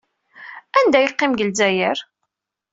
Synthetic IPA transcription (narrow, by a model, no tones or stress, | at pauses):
ænd̪æjəqːɪmɡəlzæjəɾ